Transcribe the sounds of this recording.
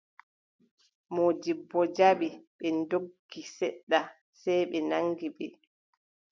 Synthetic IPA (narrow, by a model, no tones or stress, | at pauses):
mɔd͡ʒibːɔd͡ʒaɓiɓɛndoɡːisɛɗːa | sɛjɓɛnaŋɡiɓɛ